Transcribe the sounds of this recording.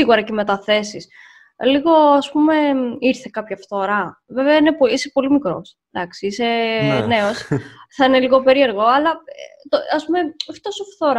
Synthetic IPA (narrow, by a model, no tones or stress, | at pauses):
iɣuɾɐceme̞t̪ɐθe̞sis | liɣo̞ɐspume̞iɾθe̞kɐpçɐft̪oɾɐve̞veɐinepoisepo̞limikɾo̞̰s | d̪ɐksiise̞ne̞osθɐine̞liɣo̞pe̞ɾie̞ɾɣo̞ɐlɐt̪oɐspumeɐft̪osofθoɾɐ